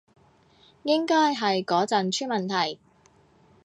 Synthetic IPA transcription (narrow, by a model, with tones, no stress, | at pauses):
jɪ˥ŋkɔː˥jɦɐ˨jkɔː˨˥t͡sɐ˨nt͡ʃʰyː˥nmɐ˨nt̪ʰɐ˨˩j